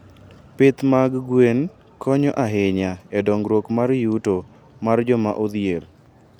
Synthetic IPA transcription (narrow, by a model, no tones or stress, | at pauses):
pɪt̪maɡɡwen | kʰɔɲɔʔaɦɪɲaedɔŋɡɾwokmarjuto | mard͡ʒɔma̰ʔod̪jer